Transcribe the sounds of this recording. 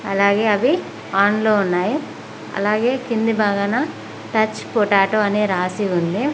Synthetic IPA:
ɐlaːɡe̞ːɐʋi | aːnloːunːaːji | ɐ̰laːɡe̞ːkind̪ibaːɡana | ʈɐt͡ʃːpoʈaːʈoːɐneːɾaːsiund̪i

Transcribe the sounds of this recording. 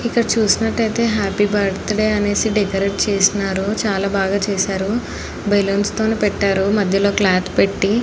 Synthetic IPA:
ikːɐɽɐt͡ʃuːsinɐʈːɐjt̪e̞ːɦaːpibɐɾt̪ɐɽeːɐne̞ːsiɖikɐɾeʈ̚t͡ʃeːsinaːɾut͡ʃaːlaːbaːɡaːt͡ʃeːsaːɾu | belonst̪oːneːpɛʈːaːɾumɐd̪ʱjɐlo̞ːklaːt̪ʰpe̞ʈːi

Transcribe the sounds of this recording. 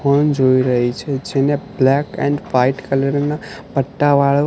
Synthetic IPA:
ond͡ʒoiɾəɦit͡ʃʰed͡ʒeneblɛkɛ̰̃ɳɖʋaiʈkəleɾnapəʈːaʋaɭ

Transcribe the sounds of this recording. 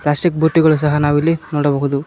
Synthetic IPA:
pɭaːsʈik̚buʈːiɡɐɭus̬ɐɦɐnaːʋilːinoːɽɐbɐːɦud̪u

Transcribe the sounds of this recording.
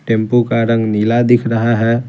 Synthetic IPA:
ʈẽːmpukaɾə̃ŋɡniːlad̪ɪkʰɾəɦaɦɛ̃

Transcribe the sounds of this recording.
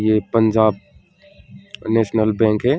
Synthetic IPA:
jepə̃ɲd͡ʒaːb̚ | nɛːʃnəlbɛ̃ːŋkɦɛː

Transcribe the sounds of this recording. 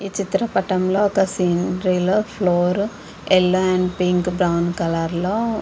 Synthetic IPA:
iːt͡ʃit̪ɾɐpɐʈːɐmloːɔkːɐsiːnɾilɐploːɾ | ɛlːɐɛɳɖpiŋkbɾɐwnkɐlaːɾloː

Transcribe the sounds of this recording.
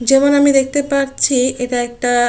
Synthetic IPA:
d͡ʑemonamid̪ek̚ʰt̪epaɾt͡ɕʰiʔeʈaɛk̚ʈa

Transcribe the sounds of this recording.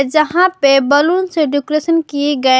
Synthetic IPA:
d͡ʒɐɦãpebɐlunseɖʊkɾesənkieɡɐe

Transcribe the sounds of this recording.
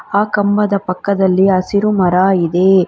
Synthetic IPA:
aːkɐmbɐd̪ɐpɐkːɐd̪ɐlːiɐsiɾumɐɾaːid̪eː

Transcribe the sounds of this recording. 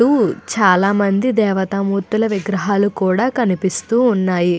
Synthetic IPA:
uːt͡ʃaːlaːmɐnd̪id̪ɛːʋɐt̪ɐmuːt̪ulɐʋiɡɾɐɦaːlukuːɽaːkɐnipist̪uːnːaːji

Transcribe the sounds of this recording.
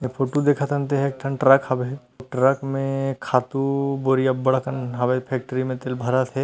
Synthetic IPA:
epʰoʈud̪ekʰat̪ənt̪eɦɛek̚ʈʰɐnʈɾakhɐbe | ʈɾakmẽkʰaːt̪uboɾijabɐɽakənɦɐbepʰɛk̚ʈɾimẽt̪elbʱɐɾat̪ʰɛ

